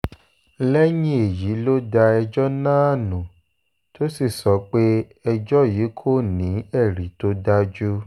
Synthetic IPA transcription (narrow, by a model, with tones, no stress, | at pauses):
lɛ˦jĩ˦e˨ji˨˦lo˦da˧ɛ˧d͡ʒɔ˦nãː˦a˦˨nũ˨ | to˦si˦˨sɔ˨˦k͡pe˦ | ɛ˧d͡ʒɔ˦jiː˨˦kʰo˦˨nĩ˨˦ɛ˦˨ɾi˨˦to˦da˦d͡ʒu˦